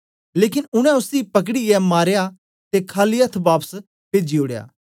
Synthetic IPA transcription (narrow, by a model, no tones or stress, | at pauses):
leːkɪnʊɽ̃ɛ̃ʊsipɐk̬ɽijɛmaːɾja | t̪ekʰaːliɐt̪ʰbaːpəs | peːd͡ʒioːɽeja̰ː